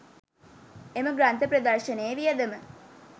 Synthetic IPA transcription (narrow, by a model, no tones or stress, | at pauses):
eməɡɾant̪əpɾɐd̪ɐrʃənejːʋijəd̪əmə